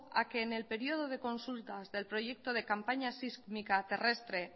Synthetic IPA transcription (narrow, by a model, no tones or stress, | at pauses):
a̰keːnelpeɾioð̞oð̞ekonsult̪azðelpɾoʝek̚t̪oð̞ekampaɲasiskmikat̪erest̪ɾe